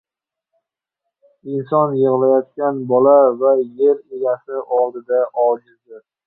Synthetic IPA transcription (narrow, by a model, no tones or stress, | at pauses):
ɪnsɒnjɨʁlajɒt̪̚kʲanbɒlavajeɾeɡʲasɪʔɒlˠd̪ɪd̪aʔɒlˠɡʲɪɾd̪ɪ